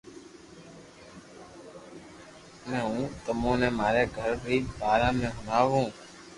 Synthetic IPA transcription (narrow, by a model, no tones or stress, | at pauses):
mɛ̃ːɦũːt̪əmõːnẽːmaːɾeːɡʱəɾbiːbaːɾãːmẽːɦʊnaːʋũː